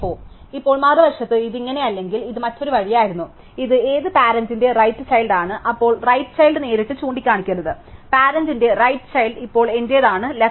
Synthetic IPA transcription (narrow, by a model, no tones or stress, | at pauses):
poː | ipːo̞ːɭmɐrɨbɐrʂɐt̪ːɨiðiŋːɐne̞ɐlːe̞ŋɡiliðɨmɐtːo̞ɾuʋɐɻijaːjiɾunːu | iðɨe̞ːðɨpaːɾɐnsinde̞rɐjtːɨt͡ɕɐjlɖaːɳɨʔɐpːo̞ːɭrɐjʈːɨ̥t͡ɕɐjlɖɨne̞ːɾiʈːɨt͡ɕuːɳɖikʲːaːɳikʲːunːɐðɨ | paːɾɐndinde̞rɐjʈːɨ̥t͡ɕɐjlɖipːo̞ːɭe̞nde̞ːðaːɳɨle